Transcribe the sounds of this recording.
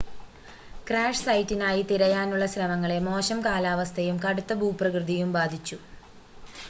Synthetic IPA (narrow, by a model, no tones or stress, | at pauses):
kraːʂsɐjtːinaːjit̪iɾɐjaːnuɭːɐsrɐmɐŋːɐɭe̞mo̞ːɕɐmkaːlaːʋɐst̪ʰɐjumkɐɽut̪ːɐbʱuːprɐkrɨd̪ijumbaːd̪ʱit͡ɕːu